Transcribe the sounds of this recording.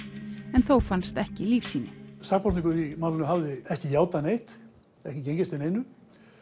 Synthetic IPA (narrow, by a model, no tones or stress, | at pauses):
ɛnθowfanst̪ɛhcɪliːfsiːnɪsaːk̚pɔɾt̪niŋkʏɾimawlɪnʏmɦavðɪɛhcɪjaːwt̪anejht̪ | ɛhcɪcejɲcɪst̪ɪnejnʏ